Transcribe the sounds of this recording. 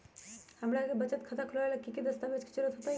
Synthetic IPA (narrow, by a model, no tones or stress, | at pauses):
həmɾakebət͡ʃət̪kʰət̪akʰulalakikid̪əst̪abet͡ʃki̥t͡ʃuɾət̪ɦot̪a